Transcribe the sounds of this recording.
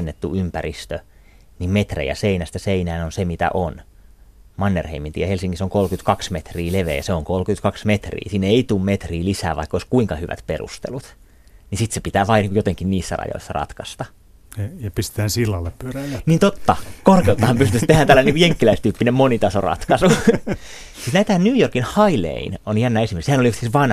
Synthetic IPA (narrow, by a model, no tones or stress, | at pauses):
nːet̪ːuympærist̪ø | nimmet̪rḛjɑ̰seinæst̪æseinæːnonsemit̪æ̰ʔon | mɑnːerheimint̪iːjɑhelsiŋkisoŋkolkyt̪kɑksmet̪riːleʋḛːjɑseoŋkolkyt̪kɑksmet̪rḭːsiːnːeit̪uːmmet̪riːlisæ̰ːʋɑ̰ikːoiskuiŋkɑhyʋæ̰t̪perṵst̪ḛlut̪ | nisit̪sepit̪æːʋɑːniːŋkujot̪eŋkinniːsːæ̰rɑ̰jo̰isːɑrɑ̰t̪kɑst̪ɑ | jɑpist̪e̥t̪æːnsilːɑlːeppyøræniːnt̪ot̪ːɑkorkelt̪ːˑɑhɑmpyst̪yst̪ehænt̪ælːæniŋkujeŋkːilæist̪yːpːinemonit̪ɑsorɑ̰t̪kɑsu | sit̪næit̪æhænnyːjorkinhɑilḛinonjænːæːesimerksehænoliuht̪isʋɑn